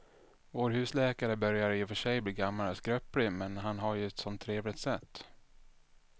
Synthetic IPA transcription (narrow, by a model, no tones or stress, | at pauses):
voːɾɦʉ̟ːslɛːkaɾəbœɾjaɾɪfœʂɛjbliːɡamːalɛskɾœplɪmɛnɦanɦaɾjɵɛt̪sɔnt̪ʰːɾeːvlɪt̪sɛt̪ː